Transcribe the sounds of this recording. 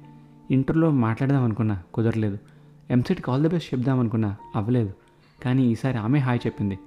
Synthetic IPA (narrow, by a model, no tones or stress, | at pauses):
iɳʈɐɾlo̞ːmaːʈlaːɽd̪aːmɐnukunːaːkɔd̪ɐɾle̞ːd̪u | emsiʈkʲiaːld̪ɐbesʈt͡ʃebd̪aːmɐnukunːaːɐʋːɐle̞ːd̪u | kaːniːiːsaːɾiaːme̞ːɦaːjt͡ʃe̞pːind̪i